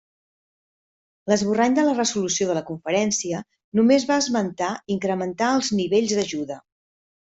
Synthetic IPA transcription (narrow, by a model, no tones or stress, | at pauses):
ləzβuraɲd̪ələrəzulusioð̞ələkuɱfəɾɛnsiə | numezβaəzmənt̪aiŋkɾəmənt̪aəlˠzniβeʎzðəʒuðə